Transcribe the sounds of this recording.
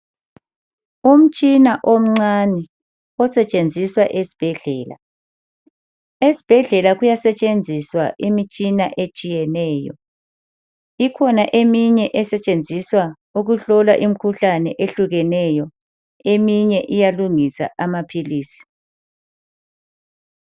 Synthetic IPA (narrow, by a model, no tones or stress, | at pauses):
um̩t͡ʃʼinaʔom̩ŋ͡ǀanɛ | ɔsɛt͡ʃʼend͡zʱiswaʔesi̥b̥ʱɛɮɛːla̰ | esi̥b̥ʱɛɮɛlaɣujasɛt͡ʃʼend͡zʱiswa̰ʔimit͡ʃʼinaʔet͡ʃʼijɛnɛːjɔ̰ | ikʰɔnaʔemiɲɛʔɛsɛt͡ʃʼend͡zʱiswa | uɣuɬɔla̰ʔim̩kʰuɬanɛʔeɬuɣɛnɛjɔ | emiɲɛʔijaluŋisa̰amapʰiliːsi̥